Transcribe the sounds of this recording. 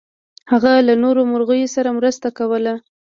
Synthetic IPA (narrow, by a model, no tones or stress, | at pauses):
haɣalanoɾomʊɾɣəjosaɾamɾəst̪akawəla